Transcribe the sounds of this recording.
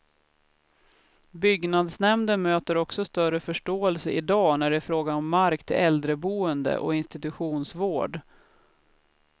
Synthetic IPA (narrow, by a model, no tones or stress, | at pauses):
bʏɡnad̪snɛmd̪ənmøːt̪əɾɔksɔst̪œɾəfœʂʈoːɛlsəʔɪd̪ɑːnæɖɛːfɾoːɡanɔmːaɾkt̪ʰɪlɛld̪ɾəbuːənd̪ə̰ʔɔ̰ɪnst̪ɪt̪ɵɧuːnsvoːɖ